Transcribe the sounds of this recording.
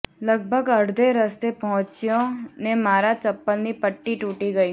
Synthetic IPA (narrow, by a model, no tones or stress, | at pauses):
ləɡ̚bʱəɡɐɽd̪eɾəst̪epɔɦʊ̃t͡ʃijõnemaːɾat͡ʃəpːəlnipəʈːiʈuːʈiɡəi